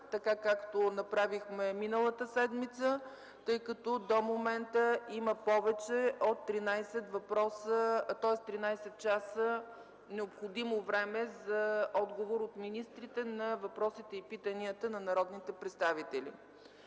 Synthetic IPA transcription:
t̪ɐkakakt̪onɐpɾavixmɛminəlˠət̪əsɛd̪mit̪sə | t̪ɤjkɐt̪ɔd̪omomɛnt̪əiməpɔvɛt͡ʃɛot̪ːɾinajsɛt̪vɐpɾɔsət̪ɔɛst̪ɾinajsɛt̪̚t͡ʃasə | nɛopxod̪imovɾɛmɛzɐɔd̪ɡovoɾot̪minist̪ɾit̪ɛnɐvɐpɾɔsit̪ɛipit̪əniət̪ənɐnɐɾɔd̪nit̪ɛpɾɛt̪st̪avit̪ɛlʲḭ

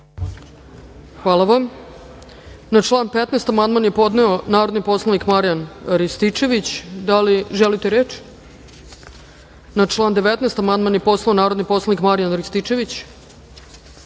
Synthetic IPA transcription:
xʋaːlˠaʋam | nat͡ʂlˠaːnpet̪neːst̪amand̪manje̞po̞d̪neonaːɾo̞d̪nipo̞slˠanikmaɾijanɾist̪it͡ʃe̞ʋit͡ɕd̪aliʒelit̪eɾeːt͡ʃ | nat͡ʃlˠaːnd̪e̞ʋet̪neːst̪amand̪manjepo̞slˠaonaːɾo̞d̪nipo̞slˠanikmaɾijanɾist̪it͡ʃe̞ʋit͡ɕ

